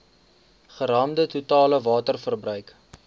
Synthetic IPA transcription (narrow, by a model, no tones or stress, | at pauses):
χəɾɑːmdətutɑːləvɑːtərfərbrœɥk